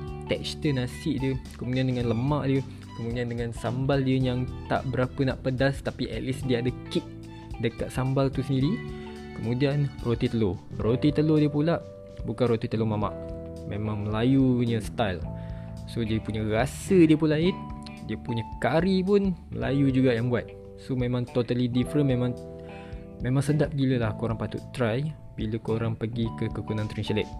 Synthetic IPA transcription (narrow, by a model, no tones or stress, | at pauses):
t̪ɛkst̪ənasɪʔdiəkəmudiandəŋanləmaʔdiə | kəmudiandəŋãnsambaldiəjaŋt̪a̰ʔbəɾapənaʔpədast̪apiʔɛʔlisdiəadəkik̚ | dəkat̪̚sambalt̪usəndiɾi | kəmũdianrot̪it̪əlorot̪it̪əlodiəpulaʔ | bukanrot̪it̪əlomama̰ʔ | mẽmãŋməlajuɲə̃st̪ajlsodiəpuɲəɾasədiəpulaɪn̚ | diəpuɲəkaɾipʊnmə̰la̰jud͡ʒuɡaʔjaŋbuat̪̚ | somẽmãŋt̪ot̪alidifɾənmemãŋ | mẽmãŋsəndap̚ɡiləlahkoɾaŋpat̪ṵt̪ːɾaj | biləkoɾaŋpəɡikəkəkunãnt̪ɾinsilɛt̪̚